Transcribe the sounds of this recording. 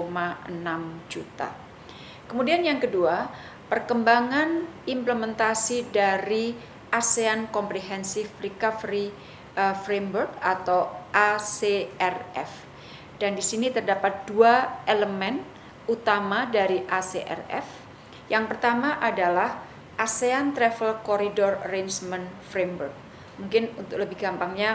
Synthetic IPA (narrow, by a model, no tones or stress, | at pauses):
omaənamd͡ʒut̪a̰ | kəmudianjaŋkədua | pərkəmbaŋanimpləmɛnt̪asidaɾi | ʔaseankɔmpɾeɦɛnsifɾikafɾi | əfɾemburk̚at̪awʔaseɛrɛ̰f | d̥andisinit̪ərdapat̪̚duaeləmɛn | ut̪amadaɾiʔaseʔɛ̰rɛ̰f | jaŋpərt̪amaʔadalah | ʔaseant̪ɾɛfəlkɔɾidɔrəɾejnsmənfɾemburk̚ | muŋkɪnunt̪ʊk̚ləbɪhɡampaŋɲa